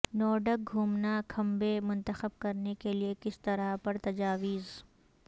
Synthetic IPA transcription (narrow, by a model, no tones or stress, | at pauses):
nɔːɖək̚ɡʱuːmnakʰɐ̃mbemʊ̃nt̪əxəb̚kɐɾnekeliekɪst̪ɐɾapɐɾt̪ɐd͡ʒaːʋiːz